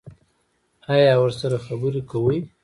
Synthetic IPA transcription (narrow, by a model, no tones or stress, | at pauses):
ɑjɑwəɾsaɾaxabuɾekawəj